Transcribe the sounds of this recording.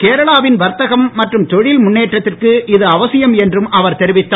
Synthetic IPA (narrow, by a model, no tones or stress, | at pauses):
keːɾɐɭaːʋɪnʋɐɾt̪ɐɣɐmːɐʈrɯmt̪ɔɻɪlmʊnːeːʈrɐt̪ːɪrkɯɪðɯɐʋɐsɪjɐmɛndrɯmʔɐʋɐɾt̪ɛɾɪʋɪt̪ːaː